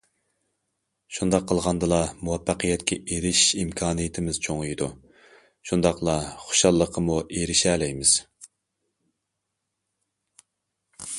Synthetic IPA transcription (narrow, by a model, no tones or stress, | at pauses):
ʃund̪ɑqʰːəlˠʁɑnd̪ɨlˠɑmuwɛpːæqʰəjɛt̪kʲʰɛeɾɪʃimkʲʰɑːnɨjɪt̪ʰɪmɪz̥t͡ʃʰoŋɨjid̪u | ʃund̪ɑqlˠɑχo̥ʃɑlˠːəqʰəmuʔeɾɪʃɛːlɛjmɪz̥